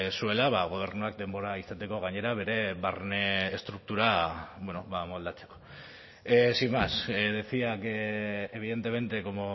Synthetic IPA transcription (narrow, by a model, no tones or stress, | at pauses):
sue̞laβaɣ̞o̞β̞e̞ɾnuak̚d̪e̞mbo̞ɾaisat̪e̞ko̞ɣ̞aɲe̞ɾaβ̞e̞ɾe̞βaɾneːst̪ɾuk̚t̪uɾabweno̞βamo̞ld̪at͡se̞̥ko̞̥ | simasðesiakeβ̞iðe̞nt̪e̞me̞nt̪e̞ko̞mo